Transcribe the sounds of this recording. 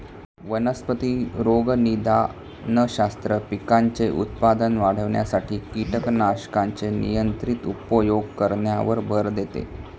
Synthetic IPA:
ʋənəspət̪iːɾoɡnid̪ʱa | nəɕast̪ɾəpikaɲt͡seʔṵt̪pad̪ənʋaɽ̤əʋɳja̰saʈʰiːkiʈəknaɕkãnt͡senḭjənt̪ɾit̪upəjoɡkəɾɳjaʋəɾbʱəɾd̪et̪ḛ

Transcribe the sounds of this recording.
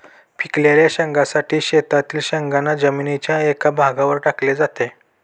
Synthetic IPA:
pʰikljaljaɕəŋɡasaʈiːɕet̪at̪iːlɕəŋɡanːad͡ʑəminit͡ɕjaekabʱaɡaʋəɾʈakled͡zat̪e

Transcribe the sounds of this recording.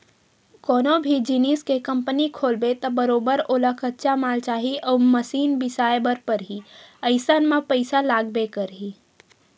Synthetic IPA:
kɔːnobʱid͡ʒiniskekə̃mpənikʰoːlbet̪ɔbəɾoːbəɾoːlakʰət̪ːt͡ʃamaːlt͡ʃaːɦiʔɔːməsiːnbɪsaːjebəɾpəɾɦiəɪsənmãpəɪsalaːɡ̚bekəɾɦiː

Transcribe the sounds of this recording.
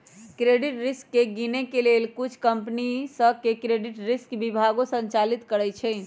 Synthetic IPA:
kɾeɖiʈɾiskːeɡinekelelkut͡ʃʰkəmpnisəkekɾeɖiʈɾiskbibʱaɡõsə̃nt͡ʃalit̪kəɾɛt͡ʃʰɛ

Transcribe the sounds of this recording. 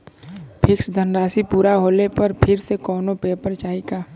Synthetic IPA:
pʰɪksd̪ʱənɾaːsipuːɾaɦoːlepɐɾpʰɪɾsekɔːnopeːpəɾt͡ʃaːikaː

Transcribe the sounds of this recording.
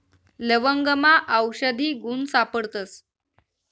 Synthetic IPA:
ləʋəŋɡəmaʔəwɕəd̪ʱiːɡuːnsapəɽt̪əs

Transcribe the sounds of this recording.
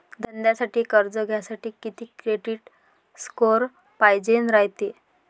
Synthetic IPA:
d̪ʱənd̪jasaʈiːkəɾd͡zəɡʱjasaʈiːkit̪iːkɾeɖiːʈ | skoɾ | pajd͡ʑenɾaɦjt̪i

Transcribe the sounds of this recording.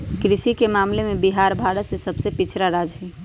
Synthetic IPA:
kɾɪʃikemaːmlemẽbiɦaːɾbʱaːɽəsesɐbsepɪt͡ʃʰɾaɾaːd͡ʒɦɛː

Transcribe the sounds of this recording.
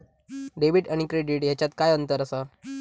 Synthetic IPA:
ɖeʋiʈaɽ̃ikɾeɖiʈjɛt͡ɕat̪kajənt̪əɾəsa

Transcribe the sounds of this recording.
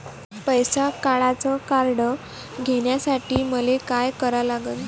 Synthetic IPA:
pəjsakaɭat͡sɔkaɾɽə | ɡʱeɽjasaʈiːməlekajkəɾalaɡən

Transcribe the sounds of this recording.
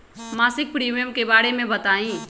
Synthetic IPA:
maːsɪk̚pɾiːmijəmkebaːɾemẽbət̪aːĩː

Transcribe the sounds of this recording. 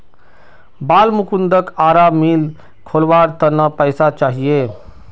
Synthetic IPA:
balmukund̪əkaɾamil | kʰolbaɾt̪ənəpəɪsat͡ʃaɦie

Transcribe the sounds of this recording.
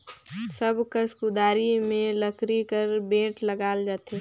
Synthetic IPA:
səbkəskud̪aːɾimẽləkɾikəɾbẽːʈləɡaːld͡ʒaːt̪e

